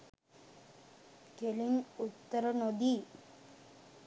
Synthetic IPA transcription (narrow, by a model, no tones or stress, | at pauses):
kelinut̪ːəɾənod̪i